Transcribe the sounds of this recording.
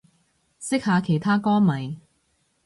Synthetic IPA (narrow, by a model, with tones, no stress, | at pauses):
sɪ˥k̚haː˨˧kʰe˨˩jt̪ʰaː˥kɔː˥ŋmɐ˨˩j